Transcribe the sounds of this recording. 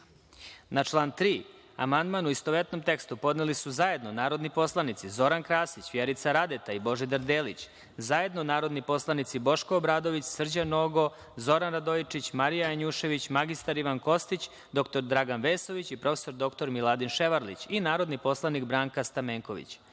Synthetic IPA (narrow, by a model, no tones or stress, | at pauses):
nat͡ʃlˠaːnt̪ɾiː | a̰mand̪manuist̪oʋet̪no̞mt̪e̞kst̪upo̞d̪nelisuzaje̞d̪nonaːɾo̞d̪nipo̞slˠanit̪sizo̞ɾankɾaːsit͡ɕʋjeɾit̪saɾad̪et̪aibo̞ʒid̪əɾd̪eːlḭt͡ɕ | zaje̞d̪no̞naːɾo̞d̪nipo̞slˠanit̪sibo̞ʃkoːbɾaːd̪o̞ʋit͡ɕsr̩d͡ʑano̞ɡo̞ | zo̞ɾanɾad̪oit͡ʂit͡ɕmaɾijajaɲuʃe̞ʋit͡ɕmaɡist̪aɾiʋanko̞st̪it͡ɕ | d̪o̞kt̪o̞ɾd̪ɾaɡanʋeːso̞ʋit͡ɕipɾo̞feso̞ɾd̪o̞kt̪o̞ɾmilˠad̪inʃeʋaɾlḭt͡ɕinaːɾo̞d̪nipo̞slˠanikbɾaːŋkast̪ameːŋkoʋḭt͡ɕ